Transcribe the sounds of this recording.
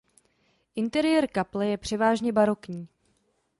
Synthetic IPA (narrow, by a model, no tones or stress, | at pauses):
ʔɪnt̪ɛɾɪjɛɾkaplɛjɛpr̝̥ɛvaːʒɲɛbaɾo̞kɲiː